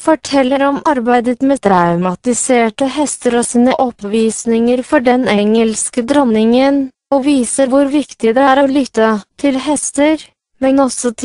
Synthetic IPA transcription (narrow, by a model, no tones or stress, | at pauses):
fɔʈʰɛlːəɾɔmɑɾbæɪd̪ət̪mɛd̪ɾaʉmɑt̪ɪseːʈəhɛst̪əɾɔsiːnəʔɔpʋiːsnɪŋəɾfɔɖɛnɛŋəlskəd̪ɾɔnɪŋən | ɔʋiːsəɾʋʊɾʋɪkt̪ɪd̪ɛæːɾɔlʏt̪ːət̪ʰɪlɦɛst̪əɾ | mɛnɔsɔt̪